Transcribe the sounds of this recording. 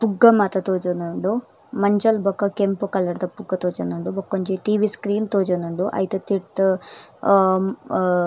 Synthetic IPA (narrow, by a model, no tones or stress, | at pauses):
puɡːɐmaːt̪ɐt̪oːd͡ʒonuɳɖu | mɐɲd͡ʒɐlbɐkːɐkempukɐlːɐɽd̪ɐpuɡːɐt̪oːd͡ʒɐnuɳɖubɐkːoɲt͡ʃiʈiːʋiskɾiːnt̪oːd͡ʒɐnuɳɖuʔɐ̰jt̪ut̪iʈ